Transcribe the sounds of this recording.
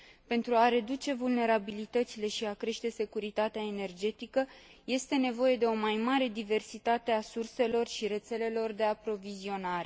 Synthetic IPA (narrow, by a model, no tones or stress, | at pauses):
pe̞nt̪ɾuaɾe̞d̪ut͡ʃe̞vulne̞ɾabilit̪ət̪sile̞ʃiakɾe̞ʃt̪e̞se̞kuɾit̪at̪eaene̞rd͡ʒe̞t̪ikəje̞st̪e̞ne̞vo̞je̞d̪e̞o̞majmaɾe̞d̪ive̞rsit̪at̪e̞asurse̞lo̞rʃiɾe̞t̪se̞le̞lo̞rd̪e̞apɾo̞vizio̞naɾe̞